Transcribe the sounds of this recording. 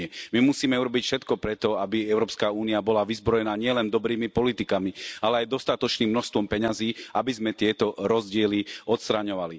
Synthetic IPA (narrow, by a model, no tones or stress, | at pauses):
ɛmimusiːmɛuɾɔbicfʃɛt̪kɔpɾɛt̪ɔabiɛʊɾɔːpskaːuːniabɔlaʋizbɾɔjɛnaːɲɪɛlɛnd̪ɔbɾiːmipɔlit̪ikamialɛajd̪ɔst̪at̪ɔt͡ʃniːmːnɔʃst̪ʋɔmpɛɲaziːʔabizmɛt̪ɪɛt̪ɔɾɔzɟɪɛliɔt̪st̪ɾaɲɔʋali